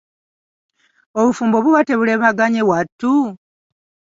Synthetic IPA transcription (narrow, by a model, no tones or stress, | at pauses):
oβufuːmbo̞βuβate̞βule̞βaɡaɲewatːu